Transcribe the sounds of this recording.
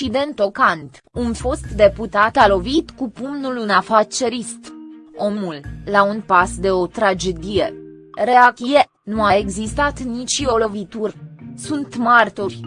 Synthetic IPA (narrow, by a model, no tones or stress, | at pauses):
id̪e̞nt̪o̞kant̪ | unfo̞st̪d̪e̞put̪at̪alo̞vit̪kupumnulunafat̪t͡ʃe̞ɾist̪o̞mulːaunpasd̪e̞o̞t̪ɾad͡ʒe̞d̪ijḛ | re̞akije | nuaeɡzist̪at̪nit͡ʃio̞lo̞vit̪urʲsunt̪mart̪orʲ